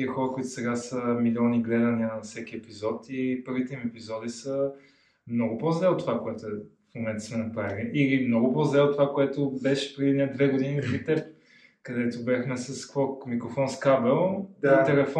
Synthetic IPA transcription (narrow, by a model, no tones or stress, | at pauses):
iəxɔɾəkoit̪ʊ̥sɛɡasəmilʲiɔniɡlɛd̪əninɐfsɛk̟iɛpizɔt̪ipəɾvit̪ɛimɛpizɔd̪isə | mnɔɡʊpozlɛot̪ːovakoɛt̪ʊɛfmomɛnt̪ə̥smɛnɐpɾaviliʔilimnɔɡʊpozlɛot̪ːovakoɛt̪obɛʃɛ̥pɾɛd̪inɛd̪vɛɡod̪inipɾit̪ɛp̚ | kɐd̪ɛt̪ʊbʲaxmɛsɐskvɔkmikɾofɔnskabɛlˠit̪ɛlɛfɔ